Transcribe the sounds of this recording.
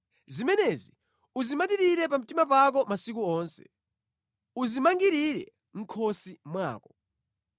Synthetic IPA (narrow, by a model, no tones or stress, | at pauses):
zimɛnɛzi | uzimat̬iɾiɾɛp̬am̩timapak̬ɔmasik̬uɔːnsɛ̥̰ | uzimaŋɡiɾiɾɛ̰ | ŋ̩kʰɔsimwa̰ːkɔ